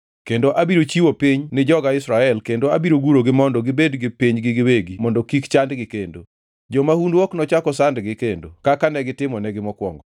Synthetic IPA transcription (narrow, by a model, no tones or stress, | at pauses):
kendoʔabiɾot͡ʃiwopiɲnɪd͡ʒɔɡaɪsɾaɛlkendoabiɾoɡuɾoɡɪmɔndɔɡɪbedɡɪpiɲɡɪɡɪweɡimɔndɔkikt͡ʃandɡɪkendo | d͡ʒomahundwɔknɔt͡ʃakɔsandɡɪkendokakanɛɡɪtɪmɔnɛɡɪmɔkwɔŋɡɔ